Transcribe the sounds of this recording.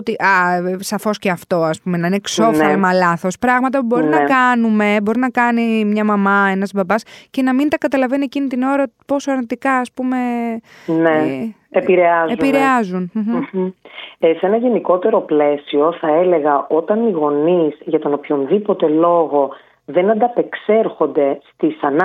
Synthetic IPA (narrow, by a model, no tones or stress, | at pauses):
ot̪iʔɐsɐfo̞sceɐft̪o̞ɐspume̞nɐinekso̞fɐlɐmɐlɐθo̞spɾɐɣmɐt̪ɐpubo̞ɾinnɐkɐnume̞bo̞ɾinɐkɐnimɲɐmɐmɐe̞nɐzbɐbɐsce̞nɐmint̪ɐkɐt̪ɐlɐveniecinit̪ino̞ɾɐpo̞soɐɾnit̪ikɐːspume̞ | ne | epiɾeɐzepiɾeɐzun̩ | se̞nɐʝe̞niko̞t̪e̞ɾo̞ple̞sioθɐele̞ɣɐʔo̞t̪ɐniɣo̞nizʝɐt̪o̞nopço̞nðipo̞t̪e̞lo̞ɣo̞ | ðe̞nɐnd̪ɐpe̞kse̞ɾxo̞nd̪e̞st̪isɐnɐ